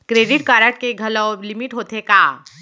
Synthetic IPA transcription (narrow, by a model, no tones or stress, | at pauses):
kɾeːɖɪʈ̚kaːɾəʈ̚keɡʱɐlolɪmiʈɦoːt̪ekaː